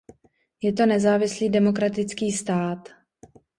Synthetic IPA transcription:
jɛt̪o̞nɛzaːvɪsliːdɛmo̞kɾat̪ɪt͡skiːst̪aːt̪

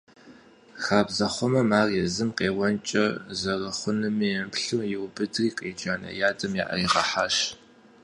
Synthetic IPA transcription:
xaːbzɐχʷɔmɐmaːrjɛzɨmqeːwɔnt͡ʃʼɐzɐrɐχʷʊnɨmijɛmpɬuːjɪwbɨdriːqʼeːd͡ʒaːnɐ̰jaːdɐmja̰ːʔɐ̰iʁɐħaːʃ

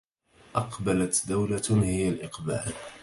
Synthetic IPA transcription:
ʔɑqbalat̪d̪awlahɪjːalʔɪqba̰ːl

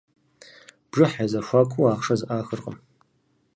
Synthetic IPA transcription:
b̥ʐɨħazaʃʷakʷʰuaːχʂazʔaːxərqʼə̰m

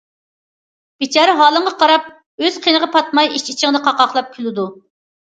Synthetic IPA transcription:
b̥it͡ʃʰɑːɾɨɦɑːlˠəɴʁɑqʰɑɾɑp̚ | øz̥qʰenəʁɑpʰɑt̪mɑjiʃit͡ʃʰɪŋd̪ɨqʰɑqɑχlˠɑp̚kʲʰylˠɪd̪u

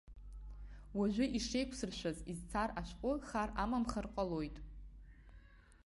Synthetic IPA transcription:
waʒʷᶣɪʔiʂe̞jkʷʰsɨrʃᶣʷazizt͡sʰaraʃʷqʷʼʊχaramamχərqʼalo̞jtʼ

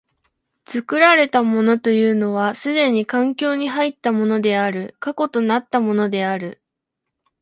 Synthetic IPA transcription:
t͡sɨkɯ̟ɾaɾe̞t̪amo̞no̞t̪o̞jɯ̟ːno̞β̞asɨd̪e̞ɲ̟ikãŋkʲo̞ːɲ̟iɦait̪ːamo̞no̞d̪e̞aɾɯ̟kako̞t̪o̞nat̪ːamo̞no̞d̪e̞aɾɯ̟

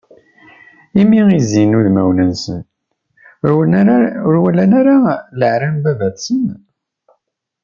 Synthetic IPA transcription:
imiizinuðmæwnənsə̰n | ɾwælænæɾaləʕɾænbævæθsən

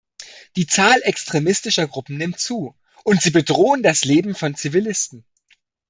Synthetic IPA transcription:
d̥iːt͡saːlʔɛkstʁ̥emɪstɪʃɐɡʁʊpm̩nɪmt͡suː | ʔʊntz̥iːbədʁoːəndasleːbm̩fɔnt͡sivilɪstn̩

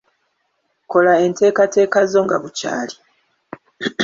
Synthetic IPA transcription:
ko̞lae̞nte̞ːkate̞ːkazo̞ŋɡa̰βuca̰ːli

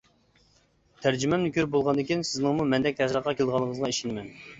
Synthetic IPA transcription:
t̪ʰæɾd͡ʒymɛmnykʲyɾbolˠʁɑnd̪ɨɪkʲinsɪznɪŋmumɛnd̪ɛk̪̚ʲɛsɾˠəqːɑkʲʰelˠd̪əʁɑlˠːəŋəzʁɑeʃinmɛn

